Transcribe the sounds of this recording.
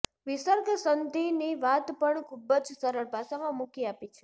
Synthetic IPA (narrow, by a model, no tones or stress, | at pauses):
ʋisəɾɡʱsənd̪ʱiniʋat̪pəɳkʰubəd͡ʒsəɾəɭbʱasamãmũkiapit͡ʃʰe̥